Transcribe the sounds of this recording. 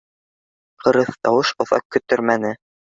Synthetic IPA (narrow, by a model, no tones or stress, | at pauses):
qʰɤ̆ɾɤθt̪ɑwɤʃŏðɑ̰q̚kːɵ̆t̪ɵɾmænɘ